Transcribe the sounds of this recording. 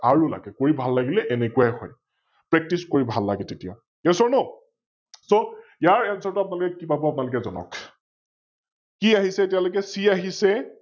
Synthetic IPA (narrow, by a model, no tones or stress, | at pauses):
aɹula̰ɡɛkoɹibʱalːaɡilɛʔɛnekuwajxɔj | pɹɛk̚tiskoɹibʱalːaɡɛtetija̰ | kɛsɔɹnɔ | soijaɹɛnsɔɹtʊap̬ʊnalʊkɛkibabɔapʊnalʊkɛzɔnɔ̰k | kiaɦisɛtijalokɛsiaɦisɛ